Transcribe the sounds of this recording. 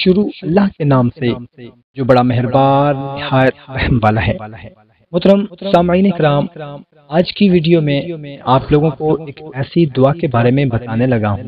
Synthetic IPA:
ʃʊɾuɐlːaɦkenaːmse | d͡ʒoːbɐɽamɛɦɪɾbaːnːɪhaːjət̪̚ɛɦɛmʋaːlaɦɛ̰ː | mʊt̪ɾəmsaːmiːnekɾaːmː | aːd͡ʒkiʋiːɖijomẽaːploːɡõkoeːkːɛːsid̪ʊakebaːɾemẽbɐt̪aːnelɐɡaɦ

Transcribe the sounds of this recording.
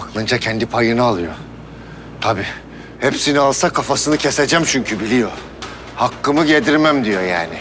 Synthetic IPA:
aklˠɯnd͡ʒacʰɛnd̪ipʰajɯnɯalˠɯjo̰ | t̪ʰabiː | hepsinialˠsakʰafasɯnɯcʰe̞se̞d͡ʒæmt͡ʃʰyɲcʰybilʲijo̞ | hakːɯmɯɟed̪iɾmæmd̪ijo̞jaːnɪ

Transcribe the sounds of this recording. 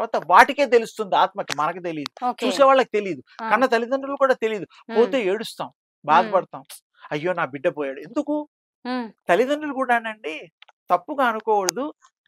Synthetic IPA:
ɐɾʋaːt̪ɐʋaːʈike̞ːt̪e̞lust̪und̪iaːt̪mɐkɐmɐnɐkit̪̬eliːd̪uot͡ʃuːsɛːʋaːɭːɐki̥t̪e̞liːd̪ukɐnːɐt̪ɐlid̪ɐnɖulukuːɽaːt̪eliːd̪u | po̞ːt̪e̞ːeːɽust̪aːm | baːd̪ɐpɐɽɐt̪aːm | ɐjːo̞ːnaːbiɖːɐpɔːjaːɽue̞nd̪uku | t̪ɐlid̪ɐnːulukuːɽaːnɐɳɖi | t̪ɐpːuɡaːɐnukɔːwɐɽd̪u

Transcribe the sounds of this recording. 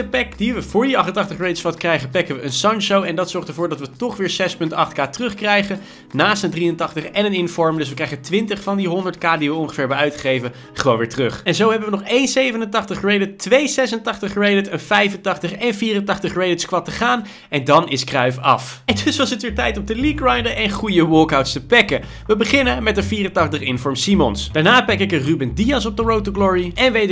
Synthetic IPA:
dəpɛkd̥iʋəvʊːɹdiɑχtəntɑχtəχrejdɪtsfɑtkrɛjχəpɛkəʋəənsɑnʃowɛndɑtsɔɹχtəɹvʊːɹdɑtʋətɔχʋɪːɹzɛspɵntɑχtkaːtrɵχkrɛjχən | naːstəndrijəntɑχtəχɛnənɪnfɔɹmdɵs̬ʋəkrɛjχətʋɪntəχfɑndiɦʊndəɹtkaːdiʋəɔŋχəfɪːɹbɛœɥtχejvə | χəʋownʋɪːɹtrɵχɛnzowɦɛbəʋənɔχejnsejvənəntɑχtəχrejdɪtʋejsɛsəntɑχtəχrejdɪtənfɛjvəntɑχtəχɛnviːrəntɑχtəχrejdɪtskʋɑtəχaːn | ɛndɑnɪskrœɥfɑ̰fɛndɵsʋɑsətʋɪːɹtɛjtɔmtəlikrɑjndəʔɛnχujəwɔlˠkawtstəpɛkə | ʋəbəχɪnəmɛtəviːrəntɑχtəχɪnfɔɹmsimɔnsd̥aːɹnaːpɛkɪkənrybəndiɑsɔb̚dəɹowtəɡlɔɹiɛnʋejt

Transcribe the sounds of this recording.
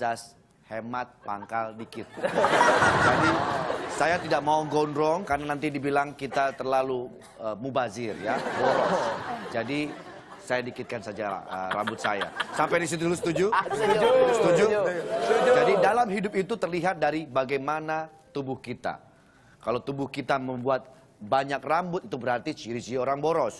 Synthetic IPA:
as | hemat̪̚pa̰ŋkaldikɪt̪̚ | d͡ʒadisajat̪idaʔ̚mauɡɔndɾɔŋkarnanant̪̬idibilaŋkit̪at̪ərlalu | əmubazɪrjabɔɾɔd͡ʒadi | sajadikɪt̪̚kansad͡ʒa̰ə̰ɾa̰bʊt̪̚sa̰ja̰sampajdis̬it̪̬ulusə̥t̪ud͡ʒu | sət̪ud͡ʒu | d͡ʒadidalamɦidʊp̚it̪ut̪ərliɦat̪̚daɾibaɡajmanat̪ubʊhkit̪a̰ | kalawt̪ubʊhkit̪aməmbuat̪̚ | baɲak̚rambʊt̪̚it̪ubəɾart̪it͡ʃiɾisioɾaŋboɾɔs

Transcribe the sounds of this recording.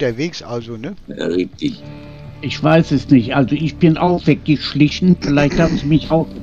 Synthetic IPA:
tɐveːksʔa̰lzonə̰ʁɪtɪç | ʔɪçv̥aɪsɛsnɪçtʔalzoɪçb̥ɪnʔaʊxv̥ɛkɪçʃlɪçn̩fɪlaɪçthaːbm̩nzimɪçaʊx

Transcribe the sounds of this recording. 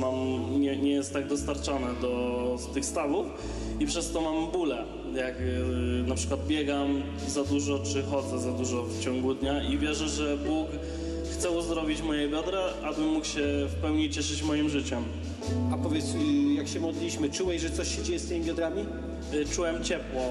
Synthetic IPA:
mamɲɛɲɛjɛst̪ːaɡ̚d̪ɔst̪aɾt͡ʂɔnɛd̪ɔst̪ɘxst̪avuf | ipʂɛst̪ɔmambulɛ | jaknapʂɘ̥kwad̪̚bʲjɛɡam | zad̪uʐɔt͡ʂɘxɔd̪zɛzad̪uʐɔft͡ɕɔŋɡud̪ɲaʔivʲjɛʐɛʐɛbuk | xt̪sɛuzd̪ɾɔvʲit͡ɕmɔjɛbʲjɔd̪ɾaʔabɘmːukɕɛfpɛwɲet͡ɕɛʂɘt͡ɕmɔjimʐɘt͡ɕɛm | apɔvʲjɛt̪sjakɕɛmɔd̪lʲiɕmɘt͡ʂuwɛɕʐɛt̪sɔɕɕɛd͡ʑejɛst̪ɪmʲibʲjɔd̪ɾamʲi | t͡ʂuwɛmt͡ɕɛpwɔ

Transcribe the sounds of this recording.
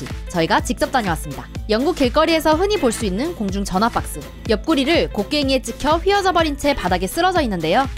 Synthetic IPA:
it͡ɕʌiɡat͡ɕik̚t͡ɕ͈ʌp̚t͈aɲʌwas͈ɯmɲidajʌŋɡuk͈ːeɭk͈ʌɾie̞sʰʌɸɯɲipoɭs͈uinːɯnkoŋd͡ʑuŋt͡ɕʌnɦap͈ak̚s͈ɯ | jʌp̚k͈uɾiɾɯɭkok͈̚e̞ŋe̞t͡ɕ͈ikʰjʌɸɥiʌd͡ʑʌbʌɾint͡ɕʰe̞padaɡe̞s͈ɯɾʌd͡ʑʌinːɯnde̞jo

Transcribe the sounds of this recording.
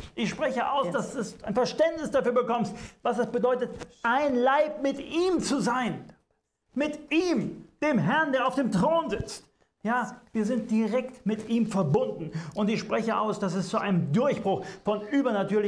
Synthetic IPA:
ʔɪçʃpʁ̥ɛçəʔaʊsd̥asd̥usaɪnfɛɐʃtɛntnɪsd̥afyːɐbəkɔmstvasɛsb̥ədɔʏtətʔaɪnlaɪp̚mɪtiːmt͡suzaɪn | mɪtʔiːmd̥eːmɦɛɐndeːɐaʊfd̥eːmtʁ̥oːnzɪt͡st | jaːviːɐzɪnt̚d̥iʁɛktmɪtʔiːmfɛɐbʊndn̩ʔʊntɪçʃpʁ̥ɛçəʔa̰ʊsd̥as̬ɛst͡suʔaɪnəmdʊɐçb̥ʁʊxfɔnʔyːbɐnatʰyːɐlɪ

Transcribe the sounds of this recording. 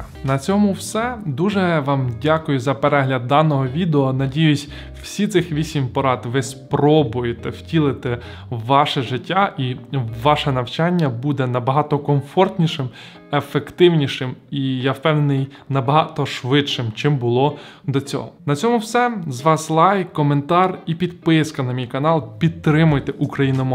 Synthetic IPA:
nɐt͡sʲɔmʊwsɛd̪uʒɛʋɑmdʲakʊjʊzɐpeɾɛɦlʲɐd̪̚ːɑnɔɦɔʋʲid̪eɔnɐdʲijʊsʲ | w̥sʲit̪sɪxʋʲisʲimʲpɐɾɑt̪ʋɪspɾɔbʊjet̪ɛwtʲilˠɪt̪ɛ | wːɑʃɛʒɪtʲːaʔiʋɑʃɛnɐwt͡ʃɑnʲːɐbud̪ɛnɐbɐɦɑt̪ɔkɔmfɔrt̪ʲnʲiʃɪm | efekt̪ɪwnʲiʃɪmijɐpɛnɪj | nɐbɐɦɑt̪ɔʃʋɪtʃɪmt͡ʃɪmbʊlˠɔ | d̪ɔt͡sʲɔ̰ɦɔ̰nɐt͡sʲɔmʊwsɛzʋɑslˠɑjkkːɔment̪ɑripʲid̪pɪskɐnɐmʲijkɐnɑlˠpʲid̪̚t̪ːɾɪmʊjt̪ɛʔukɾɐjinɔmɔ

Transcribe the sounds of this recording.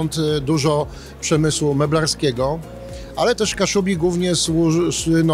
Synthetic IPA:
nt̪d̪uʐɔ | pʂɛmɘswumɛblaɾskʲɛɡɔ | ʔalɛt̪ɛʂkaʂubʲiɡwuvɲɛswusɘnɔ

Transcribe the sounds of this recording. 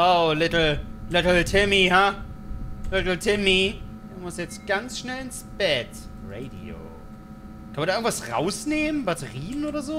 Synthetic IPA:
ʔoʊlɪtl̩lɪtl̩tʰɪmiɦa | lɪtl̩tʰɪmi | dumʊsjɛt͡stɡ̥ansʃnɛlɪnsb̥ɛt | ʁeɪdḭo̰ː | kʰanmɐdaɪɡŋ̩tvasʁa̰ʊsneːmənbatʰəʁiːənʔoːɾɐzoː

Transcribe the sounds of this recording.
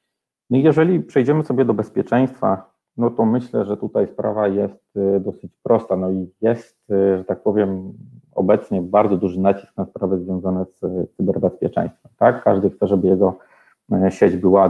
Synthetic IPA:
nɔijɛʐɛlʲipʂɛjd͡ʑɛmɘsɔbʲjɛd̪ɔbɛspʲjɛt͡ʂɛj̃st̪fa̰ | nɔt̪ɔmɘɕlɛʐɛt̪ut̪ajspɾa̰vajɛst̪d̪ɔsɘt͡ɕpɾʔɔst̪anɔijɛst̪ʐɛt̪ak̚pɔvʲjɛmɔ̰bɛt̪sɲɛbaɾd̪ɔd̪uʐɘnat͡ɕi̥sknaspɾavɛzvʲjɔ̃zanɛssɘbɛɾbɛspʲjɛt͡ʂɛ̰j̃st̪fɛmt̪akːaʐd̪ɘxt̪sɛʐɛbɘjɛɡɔ | ɕɛd͡ʑbɘwa

